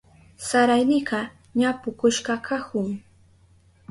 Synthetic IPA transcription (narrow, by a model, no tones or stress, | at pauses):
saɾajnɪɢɑ | ɲapʊkʊʃɢɑkʰahʊŋ